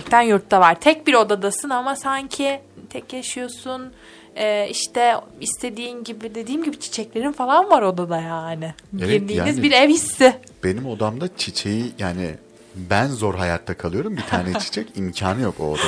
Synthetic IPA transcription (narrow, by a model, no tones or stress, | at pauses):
ɛct̪ʰænjuɾt̪ːavaɾ̥t̪ʰɛc̚biɾo̞d̪ad̪asɯnamasaɲcʰɪt̪ʰɛcjaʃɯjo̞sun | ɛːiʃt̪ʰɛist̪ʰe̞d̪iːmɟibɪd̪ed̪iːmɟibit͡ʃʰi̥t͡ʃʰɛclʲe̞ɾinfalˠanvaɾo̞d̪ad̪ajaːnɪbeiɾlʲiːaːnizbiɾɛvhisːɪ | b̥e̞nimo̞d̪amd̪at͡ʃʰit͡ʃʰejijaːnɪ | bænzo̞ɾɦajat̪ʰːakʰalˠɯjo̞ɾumbit̪ʰaːnɛt͡ʃʰi̥t͡ʃʰɛcimcʰaːnɯjo̞ko̰d̪a